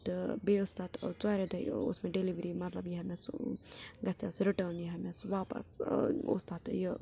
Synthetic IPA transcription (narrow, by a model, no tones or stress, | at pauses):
t̪beʊst̪aːt̪t͡saːɾed̪ɐj̰ʊ̰smẽɖeliʋɾimɐt̪lɐbjɐɦɐmes | ɡɐsja̰ːsɾiʈəːnjɐɦɐmesʋaːpɐ̰sṵst̪aːt̪jə